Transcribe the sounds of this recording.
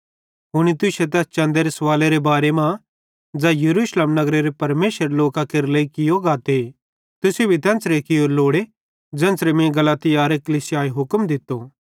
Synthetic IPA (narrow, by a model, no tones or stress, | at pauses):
ɦʊɽ̃it̪ʊset̪̬ɛːst͡ʃɐ̃nd̪eɾesʋaːleɾebaːɾemã | d͡zajɐɾuːʃleːmnɐɡɾeɾepɐɾmeːsəɾeloːkakeɾleikɪjoɡaːt̪e | t̪ʊsebʱit̪ɛ̃ːnt͡sɾekɪjoːɾloːɽe | d͡ʒɛ̃ːnsɾemẽɡɐlaːt̪ɪjaːɾekɐliːsɪjaːeɦʊkəmd̪ɪt̪ːo